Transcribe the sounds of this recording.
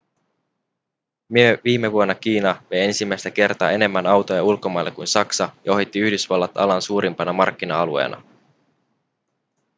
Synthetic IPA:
myeʋiːme̞ʋuo̞nːɑkiːnɑʋe̞je̞nsimːæjst̪æk̟e̞rt̪ɑ̰ːe̞ne̞mːænɑwt̪ojɑulko̞mɑjlːekːujnsɑksɑjɑo̞ɦit̪ːiyhdysʋɑlːɑt̪ɑlɑnsuːɾimpɑnɑmɑ̰rk̟ːinɑɑluḛːnɑ̰

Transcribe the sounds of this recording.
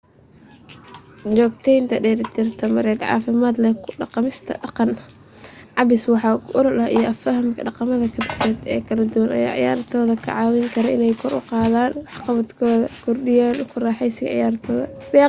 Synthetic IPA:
t͡ʃɔːɡt̪ʰɛjnt̪ʰɐɖɛːɾt̪ʰɪrt̪ʰɐmɐɾɛːd̪ʕɑ̰ːfɪmaːd̪lɛkʰʊɖɑqɑmɪst̪ʰɐ̰ɖɑqɑn | ʕɑbɪswɑħɑːʔɔɾɔlɐijɔʔɐfɐɦɐmkʰɐɖɑqɑmɐðɐkʰɐbɪsɛːd̪ɛ̰ːkʰɐlɐd̪ʊwɐnʔɐ̰ja̰ːʕɪ̰ja̰ːɾt̪ʰɔːðɐkʰɐ̰ʕɑːwɪŋkʰɐɾɐɪnɛjkʰɔɾʔʊ̰qɑːðaːnwɑħqɑβɐd̪kʰɔːðɐkʰʊrɖɪjaːnʊkʰʊrɑːħɛjsɪɣɐ̰ʕɪ̰jaːɾt̪ʰɔːðɐ̰ɛ

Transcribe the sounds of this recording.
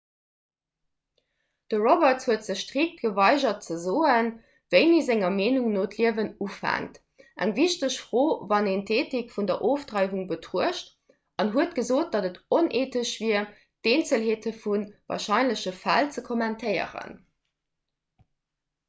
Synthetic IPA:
d̥əʁobəthuətz̥əɕʃtʁik̚t̚ɡ̥əvɑɪʒɐt̚t͡səzoːən | vəɪniːzæŋɐmeːnuŋnoːtʰliəvənufæ̰ŋt | ʔæŋviʃtəɕfʁoːvɑneːntʰeːtikfundɐʔoːftʁɑɪvuŋbətʁuəʃt | ʔɑnɦuətɡ̥əzoːt̚d̥ɑdətonʔeːtəʃv̥iːɐ | d̥eːnt͡səlɦeːtʰəfunvɑ̰ːɐʃɑɪnləɕəfælt͡səkʰomæntʰəɪə̰ʁə̰n

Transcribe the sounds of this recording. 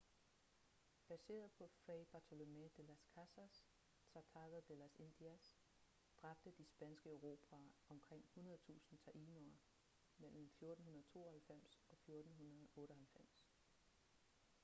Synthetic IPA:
b̥æse̝̰ːɐð̩ˠpʰɒ̽feb̥ɑ̈t͡sʰo̝lo̝med̥elæskʰæsæs | t͡sʰɑ̈t͡sʰɑ̈ɡ̥ðd̥elæse̝nd̥iæs | d̥ʁɑ̈b̥d̥əd̥isb̥ænsɡ̥əøʊʁo̝ːpʰæɒ̽mkʰʁeŋ̰hunɐð̞̩ˠt͡sʰṵːsn̩t͡sʰæʔiːnoɐ | mel̰m̩fjo̝ɐd̥n̩hunɐðˠt͡sʰo̝̰ːɐhælfem̰sɒ̽fjo̝ɐd̥n̩ɦunɐð̩ˠɔ̽ːɾ̥əɦælfem̰s

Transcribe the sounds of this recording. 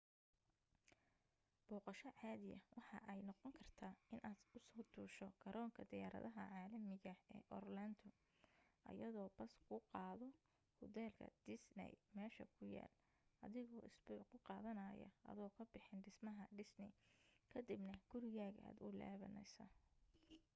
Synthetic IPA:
b̥ɔːqɑʃɐʕɑːðɪjɐ̰wʔɑħɑ̰ʔɛjnɔqɔŋkʰɐrt̪ʰaːɪnʔaːd̪ʊsɔːd̪ʰuːʃɔɡɐɾʔɔːŋkʰɐd̪ɪjaːɾɐ̰ðɐɦɐʕɑːlɐmɪɣɐɛ̰ːʔɔrlɐnd̪ʰʊ | ʔɐ̰jɐðɔːbɐskʰʊqɑːðɔ | hʊd̪ɛːlkʰɐ̰d̪̥ɪsnɛ̰jmɛːʃɐkʰʊja̰ːl | ʔɐ̰ðɪɣɔːɪsbʊʕqʰʊqɑːðɐnɐːjɐ̰ʔɐ̰ðɔːkʰɐbɪħɪnɖɪsmɐɦɐɖɪsnɪ̰kʰɐd̪ɪbnɐɡ̥ʊɾɪɣaːɣʔa̰ːd̪ʊla̰ːβɐnɛ̰jsɐ̰

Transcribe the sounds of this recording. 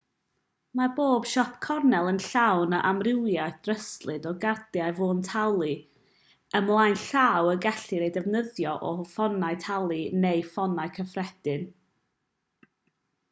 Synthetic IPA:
marboːb̥ʃɔpʰkʰɔrnɛlˠənɬawnəʔamrɪwjajθd̥rəstlˠɨdɔɡardjajvoːntʰalˠi | əmlˠajnɬaːwəɡaɬɨɾejdɛvnəðjɔʔɔfɔnaɨtʰalˠinejfɔnajkʰəfrɛd̥ɨn

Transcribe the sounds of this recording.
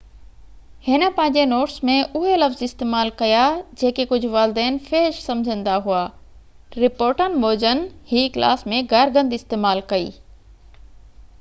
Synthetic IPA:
hɪnə̆pɐ̃ɦɪ̃ɲd͡ʑenoːʈsmẽʔʊɦelɐfzɪst̪eːmaːlkɐjad͡ʑeːkekʊd͡ʑʱʊ̆ʋaːlɪd̪ɛːnfeːɪʃsɐ̃md͡ʑʱə̃nd̪aɦuaː | ɾɪpoːɾʈənɪ̆ɓoːd͡ʑənɪ̆hiːkla̰ːsmẽɡɐɾɡə̃nd̪ɪst̪eːmaːlkɐḭː

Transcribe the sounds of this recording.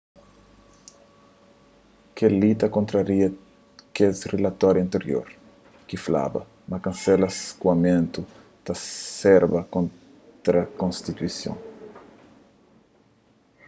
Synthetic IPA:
kelit̪ɐkõnt̪ɾɐɾiɐ | kesrelɐt̪ɔɾjɐ̃nt̪eɾjo̰ɾ | kifla̰bɐ̰ | mɐkɐ̃nsɛlɐskuɐmẽnt̪u | t̪ɐsɛɾbɐkõn | t̪ɾɐkõnst̪it̪wisjõ̰ŋ

